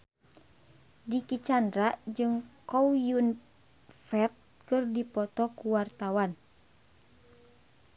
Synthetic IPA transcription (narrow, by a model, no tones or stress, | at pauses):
dikit͡ʃandɾaʔd͡ʒɨŋkɔwjun | fɛt̪̚ | kɨrdipɔt̪ɔkuwart̪awan